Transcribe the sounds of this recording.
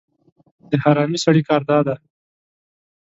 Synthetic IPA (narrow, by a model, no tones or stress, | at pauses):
d̪̥əhaɾɑmisaɽikɑɾd̪ɑd̪a